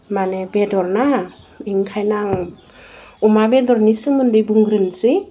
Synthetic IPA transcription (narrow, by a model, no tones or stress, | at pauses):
manebedɔɾna | iŋkʰajnaŋ | umabedɔɾnisɯŋmɯndɯjbuŋɡɾɯnzi